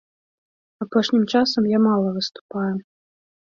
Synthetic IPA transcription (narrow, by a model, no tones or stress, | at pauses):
apɔʂnʲimt͡ʂasɐmjamalˠɐvɨst̪u̥paju